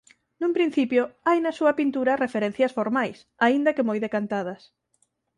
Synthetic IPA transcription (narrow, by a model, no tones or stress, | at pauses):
nũmpɾin̟θipjʊajnɐsuɐpint̪uɾɐrefeɾen̟θjɐsfoɾmajs | aind̪ɐkemojðekant̪að̞ɐs